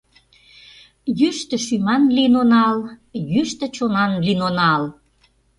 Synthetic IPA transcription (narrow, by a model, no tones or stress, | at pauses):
jyʃt̪ə̆ʃymɑnlinonɑljyʃt̪ə̆t͡ɕonɑnlinonɑl